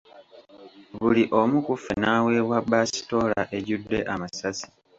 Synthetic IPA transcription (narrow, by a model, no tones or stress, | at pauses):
βuliʔo̞mukufenaːwe̞ːwabasi̥to̞laʔe̞ɟudːe̞̰ʔamasasi̥